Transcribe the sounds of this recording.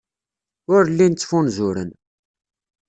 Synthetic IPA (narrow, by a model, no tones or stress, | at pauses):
ʊɾlːint͡sːfunzʊɾə̰n